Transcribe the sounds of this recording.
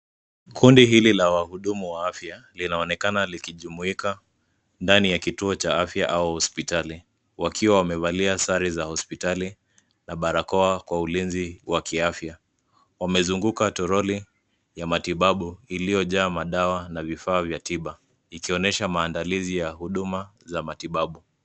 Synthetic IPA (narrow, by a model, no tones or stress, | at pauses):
kʰundiɦililawahuɗumuwaafjalinaɔnɛkanalikiʄumuika | ndanijakituɔt͡ʃaafjaʔauhɔspitali | wakʰiwawamɛvaliasaɾizahɔspitali | naɓaɾakɔakwaulinziwakiafja | wamɛzuŋɡukatɔɾɔli | jamatiɓaɓuilijɔʄaːmaɗawanavifaːvjatiɓa | ikiɔnɛʃamaːndalizijahuɗumazamatiɓaɓu